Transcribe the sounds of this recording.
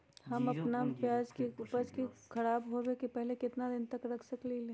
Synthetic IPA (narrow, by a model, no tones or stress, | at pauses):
ɦɐmɐpnapjaːd͡ʒkeʊpəd͡ʒkikʰɐɾaːbɦoʋekepɛɦlekɪt̪nad̪ɪnt̪ɐkɾɐkʰsɐklile